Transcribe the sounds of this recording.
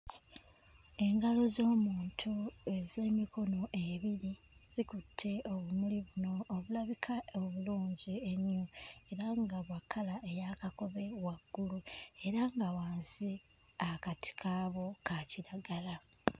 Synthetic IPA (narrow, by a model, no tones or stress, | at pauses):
e̞ŋɡalo̞zo̞ːmuːntʰue̞ze̞ːmiko̞no̞ʔe̞βiɾi | zikutʰːe̞o̞βumuliβuno̞ːβulaβikʰaoβuluːɲɟie̞ɲːue̞ɾaŋɡaβwakʰːalaʔe̞jakako̞βe̞waɡ̥ːulue̞ɾaŋɡawaːnzi | akatʰi̥kʰaːβo̞kaciɾaɡala